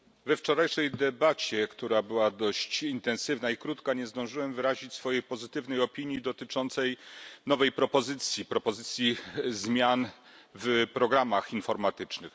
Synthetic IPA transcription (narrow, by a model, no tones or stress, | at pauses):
vɛft͡ʂɔɾajʂɛjd̪ɛbat͡ɕɛkt̪uɾabɘwad̪ɔɕt͡ɕint̪ɛñsɘvnaikɾut̪kaɲɛzd̪ɔ̃w̃ʐɘwɛmvɘɾaʑit͡ɕsfɔjɛjpɔzɘt̪ɘvnɛjɔpʲiɲjid̪ɔt̪ɘt͡ʂɔnt̪sɛjnɔvɛjpɾɔpɔzɘt̪sʲjipɾɔpɔzɘt̪sʲjizmʲjan | vpɾɔɡɾamaxinfɔɾmat̪ɘt͡ʂnɘx